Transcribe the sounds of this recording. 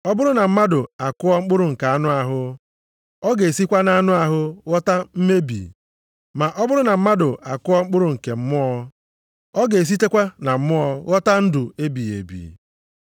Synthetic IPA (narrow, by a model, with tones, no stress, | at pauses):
ɔ˦bʊ˦ɾʊ˦na˨m̩˦ma˦dʊ˨a˨kʊ˦ɔ˦ŋ͡m̩˦k͡pʊ˦ɾʊ˨ŋ̩˨ka˨a˦nʊ˦a˨ɦʊ˦ | ɔ˦ɡe˨si˦kʷa˦na˨a˦nʊ˦a˨ɦʊ˦ɣɔ˦ta˦m̩˦me˦bḭ˨ | ma˨ʔɔ˦bʊ˦ɾʊ˦na˨m̩˦ma˦dʊ˨a˨kʊ˦ɔ˦ŋ͡m̩˦k͡pʊ˦ɾʊ˨ŋ̩˨ke˨m̩˦mʊ˦ɔ˦ | ɔ˦ɡe˨s̬i˦te˦kʷa˦na˨m̩˦mʊ˦ɔ˦ɣɔ˦ta˦n̩˦dʊ˨e˦bi˨ḛ˨bḭː˨